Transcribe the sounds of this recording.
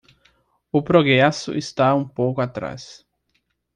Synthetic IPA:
ʊpɾoɡɾɛsʊ̰ʔɪst̪aũpowkʊat̪ɾa̰s

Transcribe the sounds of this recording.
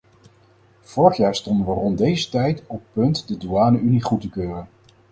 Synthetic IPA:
v̥ɔɹəχjaːɹstɔndəʋərɔmdejzətɛjtɔpːɵntdəduaːnəʔyniχutəkøːrən

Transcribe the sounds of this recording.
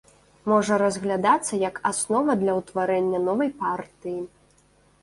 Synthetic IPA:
mɔʐɐɾɐzɣlʲad̪at̪sːɐjɐkasnɔvɐd̪lʲɐwt̪vaɾɛnʲːɐnɔvɐjpart̪ɨji

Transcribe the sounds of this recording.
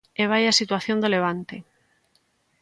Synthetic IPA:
eβajasit̪waθjo̞nd̪eleβ̞ant̪e

